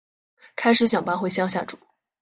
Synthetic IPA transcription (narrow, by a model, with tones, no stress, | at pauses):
kʰa˥ɪʂɻ̩˧˥ɕ̬jɑ˨˩ŋpa˥nxwe˥˧ɪɕjɑ˥ŋɕja̰˥˩ʈ͡ʂṵ˨˩˦